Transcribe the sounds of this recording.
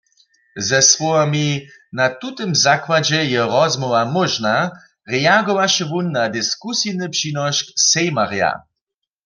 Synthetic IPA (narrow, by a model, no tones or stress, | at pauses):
zɛswɔwami | nat̪ut̪ɨmzakwad͡ʒɛjɛʁɔzmɔvamɔʒna | ʁɛaɡɔʋaʃɛvunːad̪ɪskusinɨpʃinɔʃksɛjmaʁja̰